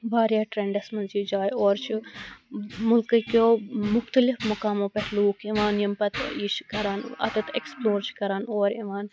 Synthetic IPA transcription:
baːɾjaːʈɾeɳɖɐsmɐnd͡ʒiːd͡ʒaːjoːɾt͡ʃʰi | mʊlkɨkoːmʊxt̪ɐlɪfmɐkaːmõːpɐɦluːkʰiʋaːnjɐmpɐt̪ʰit͡ʃʰkɐɾaːnɐ̰t̪ɐt̪ḛksploːɾt͡ʃʰi̥kɐɾaːnoːɾiʋaːn

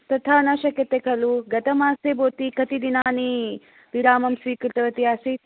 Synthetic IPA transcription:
t̪ɐt̪ʰaːnɐʃɐkjɐt̪ekʰɐluɡɐt̪ɐmaːseboːt̪ikɐt̪id̪inaːni | ʋiɾaːmɐmsʋiːkɾɪt̪ɐʋɐt̪iaːsi

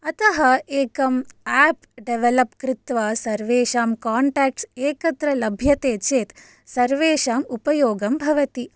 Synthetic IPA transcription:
ɐt̪ɐɦɐeːkɐmɛːp | ɖeʋelɐpkɾɪt̪ʋɐsɐɾʋeːʃaːmkaːɳʈaːk̚ʈseːkɐt̪ɾɐlɐbʱjɐt̪eːt͡ʃeːt̪ | sɐɾʋeːʃaːmupɐjoːɡɐmbʱɐʋɐt̪i

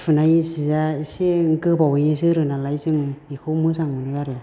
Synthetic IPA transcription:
sʰunajsizaiseŋkɯbawjizɯɾɯnalajzɯŋbikʰomɯzaŋmɯnɯɡaɾe

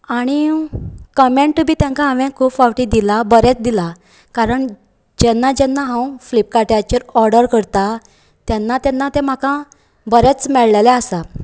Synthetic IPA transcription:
aɽ̃i | kəmeɳʈbʱiːt̪jãŋkãɦãʋɛ̃kʰuːfawʈid̪ilabəɾɛt͡sd̪ila | kaɾəɳ | d͡ʑɛnːad͡ʑɛnːaɦãw̃flip̚kaʈjat͡ɕəɾɔɾɖəɾkəɾt̪a | t̪jɛnːat̪ɛ̃nːat̪ẽm̤akã | bəɾet͡smɛɭlalɛəsa

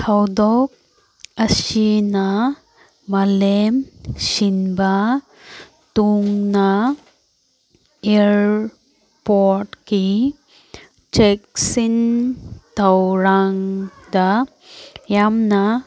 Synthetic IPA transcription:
kʰawd̪ɔk̚ | əsina | malemsinba | t̪uŋna | eɾ | pɔɾʈki | t͡ʃek̚sin | t̪awɾaŋd̪a | jamna

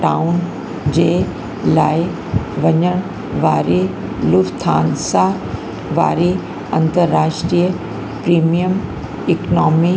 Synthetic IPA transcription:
ʈaːʊn | d͡ʑeː | laːɪ | ʋɐɲəɽ̃ | ʋaːɾi | lʊfst̪ʰaːnsa | ʋa̰ːɾi | ɐ̃nt̪əɾːaːʂʈɾijə | pɾiːmijəm | ɪknɔːmi

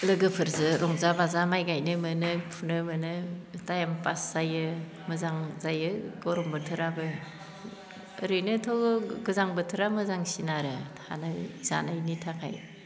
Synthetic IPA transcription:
lɯɡɯpʰɯɾzɯɾɔŋzabazamajɡajnɯmɯnɯpʰunɯmɯnɯtajampasz̥ajɯ | mɯzaŋzajɯɡɔɾɔmbɯtʰɯɾabɯ | ɾɯnɯtʰɔwɡɯzaŋbɯtʰɯɾamɯzaŋsinaɾɯ | a̰nɯz̥a̰najnitʰakʰa̰j

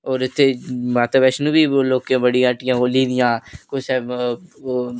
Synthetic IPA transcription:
oːɾɪt̪ʰːeːmat̪ləbɛːʃnũːbiːloːkẽːbəɽiːəʈɪjãːɦoːliːd̪ɪjãːkʊsɛː

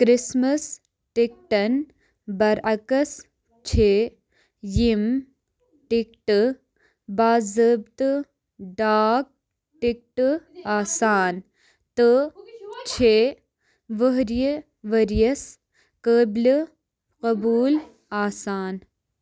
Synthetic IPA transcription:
kɾɪsmɐs | ʈik̚ʈɐn | bɐɾʔɐkɐs | t͡ʃʰeː | jim | ʈik̚ʈ | baːzəbt̪ | ɖaːk̚ | ʈik̚ʈɨaːsaːn | t̪ɨ | t͡ʃʰeː | ʋəɦɾjə | ʋəɾijɐs | kəːbl | qɐbuːl | aːsaːn

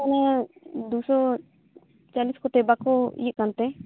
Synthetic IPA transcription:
anad̪usɔ | t͡ʃaliskɔʈɛbakɔḭjəʔkant̪ɛ

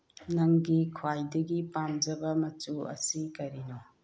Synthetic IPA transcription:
nɐŋɡikʰwajdɐɡipamd͡ʒɐbɐmɐtuɐ̰sikɐɾino

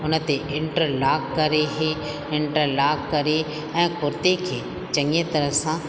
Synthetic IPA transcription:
ʊnə̆t̪eʔɪ̃ɳʈəɾlaːɡ̚kɐɾeɦe | ɪ̃ɳʈəɾlaːɡkɐɾe | ɛ̃ːkʊɾt̪ekʰeː | t͡ʃɐŋet̪ɐɾəsãː

